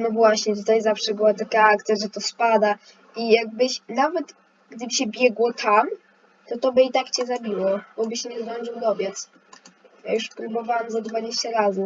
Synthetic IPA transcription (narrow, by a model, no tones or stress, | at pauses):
nɔvwaɕɲɛt̪̬ut̪ajzafʂɛbɘwat̪akaak̚t̪sʲjaʐɛt̪ɔspad̪a | ijaɡ̚bɘɕnavɛt̪ | ɡd̪ɘbɘɕɛbʲjɛɡwɔt̪ʰam | t̪ɔt̪ɔbɘit̪akt͡ɕɛzabʲiwɔbɔbɘɕɛɲɛzɾɔnd͡ʒɨwd̪ɔbʲjɛt̪s | jajuʂpɾubɔvawamzad̪vad͡ʑeɕt͡ɕaɾazɘ